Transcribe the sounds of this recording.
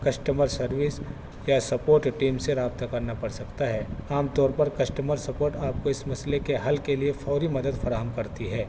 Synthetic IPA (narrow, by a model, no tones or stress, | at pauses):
kɐsʈəməɾsɐɾʋɪs | jasɐpoːɾʈʈiːmseɾaːb̚t̪akɐɾnapɐɽsɐkt̪aɦɛːaːmt̪ɔːɾpɐɾkɐsʈəməɾsɐpoːɾʈaːp̚koɪsmɐslekeɦɐlkeliefɔːɾimɐd̪əd̪fɐɾaːɦəmkɐɾt̪iɦɛː